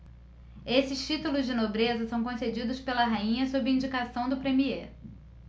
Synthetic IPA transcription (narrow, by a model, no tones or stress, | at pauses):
esɪst͡ʃit̪ulʊzd͡ʒɪnobɾezɐsɐ̃w̃kõsed͡ʒid̪ʊspelɐɦaĩɲɐsobɾɪĩɲd͡ʒikasɐ̃w̃d̪ʊpɾemie